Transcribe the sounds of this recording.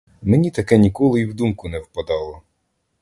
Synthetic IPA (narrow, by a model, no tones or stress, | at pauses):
menʲit̪ɐkɛnʲikɔlˠɪiwd̪umkʊnɛwpɐd̪ɑlˠɔ